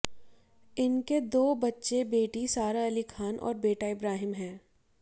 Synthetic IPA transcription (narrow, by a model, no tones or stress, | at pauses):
ɪnked̪oːbɐtːʃebeːʈisaːɾaɐlikʰaːnʔɔ̰ːɾbeːʈaɪbɾaːɦɪmɦɛ̃ː